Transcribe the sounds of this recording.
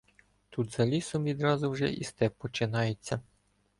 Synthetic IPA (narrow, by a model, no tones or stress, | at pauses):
t̪ud̪zɐlʲisɔmʋʲid̪ɾɑzʊwʒɛ̰ʔḭst̪ɛpːɔt͡ʃɪnɑjet͡sʲːɐ